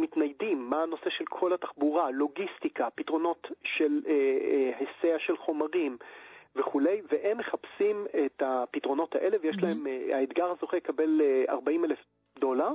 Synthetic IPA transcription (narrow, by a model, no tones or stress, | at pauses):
mitnajdimːaːno̞se̞ʃelkʰo̞lhataχbuʁalo̞ɡistikapitʁo̞no̞tʃeleheseaʃelχo̞maʁimveχule̞jveʔemːeχapsimetapitʁo̞no̞taʔe̞levejeʃlaemaed̪ɡaʁhazoχelekabe̞lea̰ʁbaimelef | do̞laʁ